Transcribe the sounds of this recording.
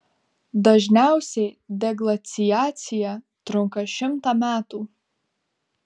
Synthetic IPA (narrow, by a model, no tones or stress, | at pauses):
d̪ɐʒʲnʲæˑʊsʲɛɪd̪ʲɛɡlˠɐt̪sʲɪjæːt̪sʲɪjæ | t̪ɾʊŋkɐʃʲɪmt̪ɑmʲæːt̪uː